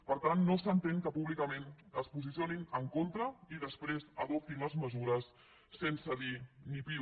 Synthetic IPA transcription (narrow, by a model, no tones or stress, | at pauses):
pəɾt̪anːosənt̪eŋkəpuβlikəmenəspuzis̬ioninəŋkont̪ɾəiðəspɾezəðɔp̚t̪inləzməzuɾəsː | ensəðinipi